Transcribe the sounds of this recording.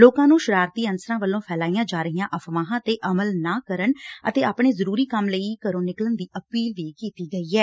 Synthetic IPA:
loːkãːnũːʃəɾaːɾt̪iːənsəɾãːʋəlːõːpʰɛːlaːijãːd͡ʒaːɾəɦijãːʔəfʰʋãːɦãːt̪eːʔəməlnaːkəɾəɳət̪eːaːpɳ̃eːzəɾuːɾiːkəmləiːkəɾõːnɪklənd̪iːʔəpiːlʋiːkiːt̪iːɡəiːɛː

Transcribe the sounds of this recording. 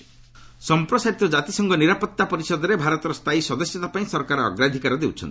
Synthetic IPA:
sɔmpɾɔsaɾit̪ɔd͡ʒat̪isɔŋɡɔniɾapɔt̪ːapɔɾisɔd̪ɔɾebʱaɾɔt̪ɔɾɔst̪ʰaisɔd̪ɔsjɔt̪apaĩsɔɾɔkaɾɔɔ̰ɡɾad̪ʱikaɾɔd̪ewt͡ʃʰɔ̰nt̪i̥

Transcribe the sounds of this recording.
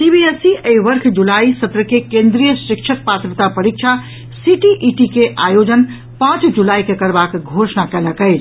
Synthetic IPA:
sibiesiʔeiʋəɾkʰd͡ʒulaisəbɾəkekẽnd̪ɾijəsikt͡ʃʰək̚pat̪ɾət̪apəɾik̚t͡ʃʰa | siʈiʔiʈikeʔajod͡ʒən | pãt͡ʃd͡ʒulaikekəɾbakɡʱosnakɛləkəɪt͡ʃʰ

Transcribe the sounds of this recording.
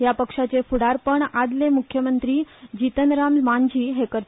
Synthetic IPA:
japəkʂat͡sefuɽaɾpəɳad̪lemukʰjəmənt̪ɾiːd͡ʑit̪ənɾammaɲd͡ʑiːɦekəɾ

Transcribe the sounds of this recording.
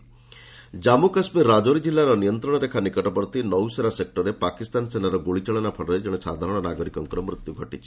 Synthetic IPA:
d͡ʒamukaspiɾad͡ʒoɾid͡ʒilːaɾɔnijɔnt̪ɾɔɽ̃ɔɾekʰanikɔʈɔpɔɾɔt̪inɔwseɾasek̚ʈɔɾepakist̪ansenaɾɔɡoɭit͡ʃaɭɔnapʰɔɽɔɾed͡ʒeɽ̃ɔsʰa̰d̪ʱaɾɔɽ̃ɔnaɡɔɾikɔŋkɔɾɔmɾut̪juɡʱɔʈit͡ʃʰi

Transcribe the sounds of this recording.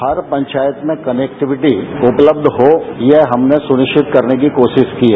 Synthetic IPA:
hɐɾpɐ̃ɲt͡ʃaːjət̪mẽkɐneːk̚ʈɪʋɪʈiʊpləb̚d̪ʱɦojeɦɦɐmnesʊnɪʃt͡ʃɪt̪kɐɾnek̬ikoːʃɪʃkiɦɛ

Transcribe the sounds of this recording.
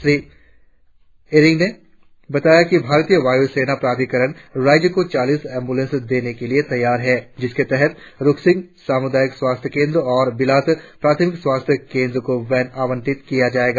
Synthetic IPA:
ʃɾiː | eɾɪ̃ŋɡne | bɐt̪aːjakibʱaːɾt̪ijəʋaːjuseːnapɾaːt̪ikəɾəɽ̃ɾaːd͡ʒəkot͡ʃaːliːsɛ̃ːmbulə̃nsd̪eːnekeliet̪ɐjːaːɾɦɛd͡ʒɪsket̪ɛɦɛt̪ɾʊksɪ̃ŋɡsaːmʊd̪aːjɪkswaːst̪ʰjəkẽːnd̪ɾɔːɾbɪlaːt̪pɾaːt̪ʰəmɪkswaːst̪ʰjəkẽːnd̪ɾəkoʋɛːnaːʋə̃ɳʈɪt̪kijad͡ʒaːeːɡaː

